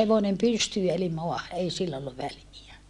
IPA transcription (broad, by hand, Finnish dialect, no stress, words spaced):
heʋonem pystyː eli moɑhɑ ei silː olːuʋ ʋæliæ